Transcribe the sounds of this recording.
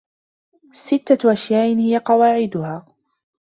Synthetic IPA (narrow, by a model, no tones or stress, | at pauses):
sɪt̪ːaʔaʃjaːʔɪnhɪjaqɑwaːʕɪd̪ʊhaː